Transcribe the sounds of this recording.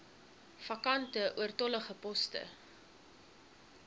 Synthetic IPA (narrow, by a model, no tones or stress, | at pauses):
fɐkɐntəʔuərtɔləχəpɔstə̰